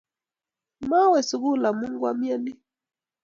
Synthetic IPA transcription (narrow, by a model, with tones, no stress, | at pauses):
ma˦wɛ˨su˨ɣu˦la˨mu˦ŋɡwa˦mja˦ni˦